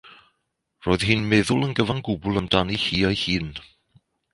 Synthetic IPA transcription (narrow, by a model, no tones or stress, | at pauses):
roːɨð̥hɪːnmɛðʊlˠənɡəvaŋɡʊbʊlˠəmd̥anihiːɔjhiːn